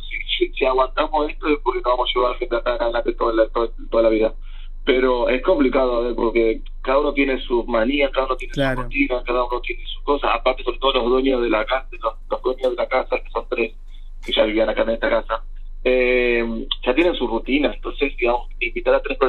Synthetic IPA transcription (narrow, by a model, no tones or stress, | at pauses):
sisisiaɣwant̪amosest̪oespoɾkenoβamosaʃeβaɾlaxent̪eak̪analat̪et̪oat̪o | t̪oðalaβiða | pe̞ɾo̞e̞sko̞mplikað̞oaβeɾpo̞̰ɾke̞ | kaðauno̞t̪̬je̞ne̞sumaniakaðauno̞t̪jenesurut̪inaskaðaunot̪jenesu̥sko̞sasa̰paɾt̪eso̞ɾet̪o̞ð̞olo̞zðweɲjozð̞elaka | lolohðweɲozðelakasakesont̪ɾes | ke̞ʒaβiβianakaɾnest̪akasa | emʒ̥at̪je̞nensurut̪inaent̪o̞nse̞siβa | imbit̪aɾat̪ɾespe